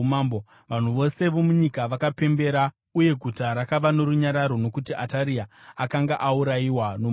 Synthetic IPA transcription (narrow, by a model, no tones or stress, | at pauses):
mambo | ʋan̤uʋo̞se̞ʋo̞muɲikaʋakape̞mbe̞ɾa | uje̞ɡʱutaɾakaʋano̞ɾuɲaɾaɾo̞no̞kutiʔataɾiaakaŋɡaʔauɾaiwano